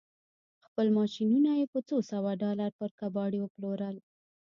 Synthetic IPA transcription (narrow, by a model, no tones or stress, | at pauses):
xpəlmɑʃinunajepət͡sosawaɖɑlaɾpəɾkabɑɽiwəploɾəl